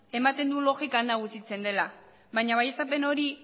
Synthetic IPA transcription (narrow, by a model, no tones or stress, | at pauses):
e̞mat̪e̞nd̪ulo̞ɣikanaɣusit͡se̞nd̪e̞la | βajɲaβaje̞sape̞no̞ɾi